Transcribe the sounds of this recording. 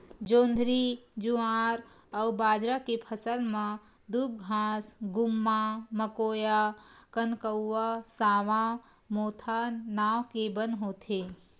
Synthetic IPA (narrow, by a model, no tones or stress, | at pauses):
d͡ʒõːnd̪ʱɾid͡ʒuãɾ | əwbaːd͡ʒɾakepʰəsəlmã | d̪ub̚ɡʱaːsɡʊmːaməkoːjakənkəwːasaːʋã | moːt̪ʰanaːwkebənɦoːt̪ʰe